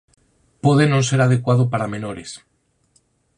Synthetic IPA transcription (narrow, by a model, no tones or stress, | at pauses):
poðenõnseɾað̞ekwað̞opaɾamẽnoɾes